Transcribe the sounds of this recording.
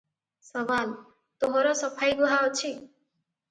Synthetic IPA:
sɔbal | t̪oɦɔɾɔsɔpʰajɡuɦaɔt͡ʃʰi

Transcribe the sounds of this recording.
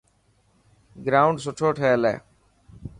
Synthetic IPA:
ɡɾaːʊɳɖsoʈʰoːʈʰɛelɛ̰ː

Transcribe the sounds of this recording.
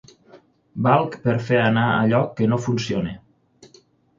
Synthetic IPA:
balˠkpeɾfeanaə̰ʎɔkːənofunsione

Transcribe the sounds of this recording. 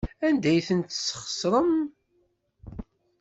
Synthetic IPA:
ænd̪æjθənt̪sːə̥χə̥sɾˤəm

